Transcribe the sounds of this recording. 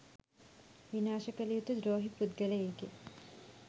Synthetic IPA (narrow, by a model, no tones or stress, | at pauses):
ʋinaːʃɐkɐlijut̪ːɐd̪ɾoːɦipud̪̚ɡɐlɐeːke